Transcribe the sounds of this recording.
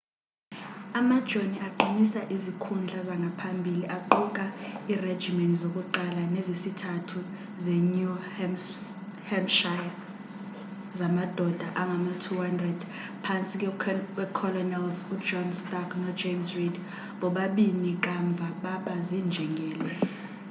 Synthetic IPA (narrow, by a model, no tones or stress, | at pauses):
amad̥ʒ̥ʱoniaǃinisaʔizikʰund͡ɮʱazaŋɡʱapʰambʱiliʔaǃuk̬ʼaired̥d͡ʒimɛntʼzokʼuǃalanezisitʰatʰu | zeɲu | hɛmʃaja | zamad̥ʱɔd̥ʱaʔaŋɡʱamatʰuhandrɛd̥ | pʰant͡sʼikʼwɛkʰɔlɔnɛlzud͡ʒɔnstʼaknɔd͡ʒemsrid | ɓɔɓaɓinik̬ʼaɱb̪vʱaɓaɓazind͡ʒʱɛŋɡʱɛːlwɛ